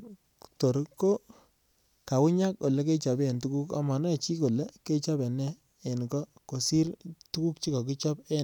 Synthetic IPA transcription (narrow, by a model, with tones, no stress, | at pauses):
to˨ɾko˦ | ka˨wʊ˦ɲa˦ko˨le˦k̬e˦t͡ʃɔ˨be˦e˨ntu˦ku˦ka̰˨˦ma˨nɔ˦˨t͡ʃi˦ko˨le˦ke˦t͡ʃɔ˦bɛ˨nɛː˦˨ | nkɔ˦ | ko˨si˦ɾtu˦ku˦kt͡ʃi˦kɔ˨k̬i˦t͡ʃɔ˦pe˦n